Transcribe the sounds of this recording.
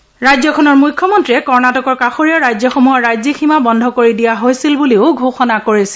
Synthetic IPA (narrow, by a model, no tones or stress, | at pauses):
ɹajzɔkʰɔnɔɹmujkʰːɔmɔntɹiɛkɔɹnatɔkɔɹkaxoɹijaɹajzɔxomuɦɔɹajziximabɔndʱɔkoɹidijaɦojsilbuleʊɡʱoxɔnakoɹisi̥l